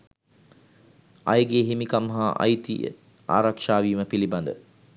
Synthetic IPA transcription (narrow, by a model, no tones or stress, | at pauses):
ɐjəɡeːɦimikamɦaʔɐ̰jt̪ḭə̰ | a̰ːɾakʂaːʋiːməpiliband̪ə